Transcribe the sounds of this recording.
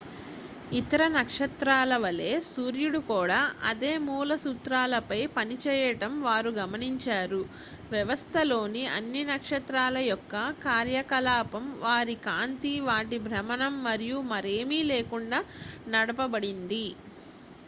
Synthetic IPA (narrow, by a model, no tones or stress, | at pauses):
it̪ɐɾɐnɐkʂɐt̪ɾaːlɐʋɐle̞ːsuːɾjuɽukuːɽaːʔɐ̰d̪e̞ːmuːlɐsuːt̪ɾaːlɐpɐjpɐnit͡ʃɛːjɐʈɐmʋaːɾuɡɐmɐniɲt͡ʃaːɾu | ʋjɐʋɐst̪ʰɐlo̞ːniɐ̰nːinɐkʂɐt̪ɾaːlɐjɔkːɐkaːɾjɐkɐlaːpɐmʋaːɾikaːnt̪iʋaːʈibʱɾɐmɐnɐmːɐɾijumɐɾeːmiːle̞ːkuɳɖaːnɐɽɐpɐbɐɽind̪i